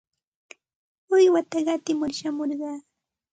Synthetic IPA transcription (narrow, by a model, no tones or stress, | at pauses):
ʊjwat̪aɢɑt̪ɪmʊɾʃamoɾɢɑː